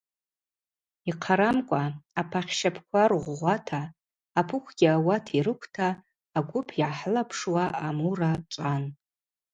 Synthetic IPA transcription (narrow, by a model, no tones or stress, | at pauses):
iqʰaɾamkʷʼaapʰaχʲʃapʰkʷʰarʁʷʁʷatʰaː | pʰʊkʷʰɡ̥ʲɪawatʰiɾɨkʷʰtʰaː | ɡʷʊpʰiʕaħlapʰʂwaʔamurat͡ʃʷʼan